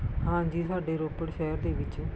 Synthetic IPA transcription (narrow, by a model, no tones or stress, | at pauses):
hãːd͡ʒiːsaːɖeːɾoːpəɽʃɛːɾd̪eːʋɪt͡ʃ